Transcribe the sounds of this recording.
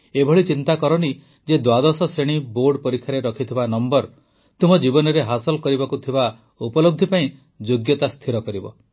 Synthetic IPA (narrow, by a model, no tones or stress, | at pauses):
ebʱɔɭit͡ʃint̪akɔɾɔni | d͡ʒed̪wad̪ɔsɔseɽ̃iboɾɖpɔɾikʰːaɾeɾɔkʰit̪ʰibanɔmbɔɾ | t̪umbɔd͡ʒibɔnɔɾeɦasɔlɔkɔɾibakut̪ʰiba | upɔlob̚d̪ʱipaĩ | d͡ʒoɡjɔt̪ast̪ʰiɾɔkɔɾibɔ